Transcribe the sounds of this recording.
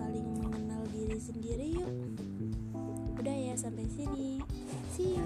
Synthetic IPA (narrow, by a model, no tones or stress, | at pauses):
alɪŋməŋənaldiɾisəndiɾijuʔ | udahjasampajsini | sɪ